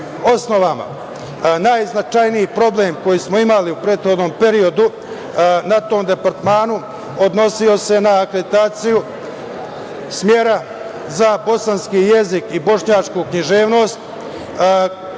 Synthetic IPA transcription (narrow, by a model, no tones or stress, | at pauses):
o̞sno̞ʋama̰ | naːjznat͡ʃajniipɾo̞bleːmko̞jiːsmo̞imaliupɾe̞ːt̪xo̞d̪no̞ːmpe̞ɾio̞d̪u | nat̪o̞ːmd̪e̞paɾt̪maːnu | o̞d̪no̞sio̞se̞naːkɾeit̪aːt̪siju | smjeɾa | zabo̞sanskije̞zikibo̞ʂɲaːt͡ʂkukɲiʒe̞ːʋno̞ːst̪